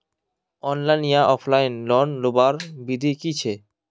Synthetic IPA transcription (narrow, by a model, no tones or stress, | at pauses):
ɔnlajnijaɔpʰlajnlɔnlobaɾbid̪ʱikit͡ɕʰe